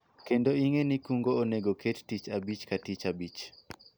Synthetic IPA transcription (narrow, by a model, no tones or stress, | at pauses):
kendoiŋenikuŋɡoːneɡokʰettit͡ʃabit͡ʃkatit͡ʃabit͡ʃ